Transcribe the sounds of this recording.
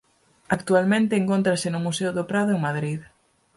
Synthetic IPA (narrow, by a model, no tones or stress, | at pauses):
akt̪ualmẽnt̪eːŋkont̪ɾasenʊmusewðopɾaðʊeŋmaðɾið